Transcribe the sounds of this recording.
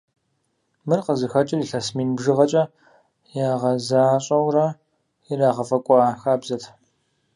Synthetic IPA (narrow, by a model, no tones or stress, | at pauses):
mɨrqəzɨxɐt͡ʃʼɪriːɬɐsmiːnbʒɨʁɐt͡ʃʼɐ | jaːʁɐzaːɕʼɐwrɐ | ɪraːʁɐfɐkʷʼɔaːxaːbzɐtʰ